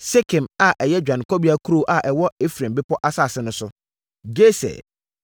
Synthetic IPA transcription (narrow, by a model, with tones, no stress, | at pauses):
se˦kʰɪ̃˨ma˨ʔɛ˨jɛ˦d͡ʑᶣã˨n˨kʰɔ˦bi˦a˦kʰu˦ɾo˦ʔa˨ʔɛ˨wɔ˦e˦fɾẽ˨mbɪ˦pʰɔ˦ʔa˦saː˦˨sɪ˦nʊ̃˦sʊ˦ | d͡ʑe˦sɛ̰˨